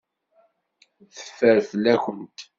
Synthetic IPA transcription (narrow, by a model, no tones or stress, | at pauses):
θə̥fːəɾfəlːæçənt̪